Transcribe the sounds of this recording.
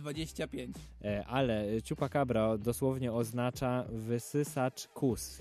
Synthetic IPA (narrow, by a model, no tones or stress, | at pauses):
d̪vad͡ʑeɕt͡ɕapʲjeɲt͡ɕ | ʔalɛt͡ɕupakabɾad̪ɔswɔvɲɛɔznat͡ʂavɘsɘsat͡ʂkʰus